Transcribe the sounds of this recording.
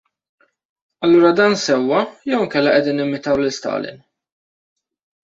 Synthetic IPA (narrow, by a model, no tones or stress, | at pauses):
ɐlːuːɾɐd̪ɐːnsɛwːɐjɛwɪŋkɛlːɐʔɛd̪iːnːɪmɪt̪ɐwlɪst̪ɐ̰ːlɪ̰n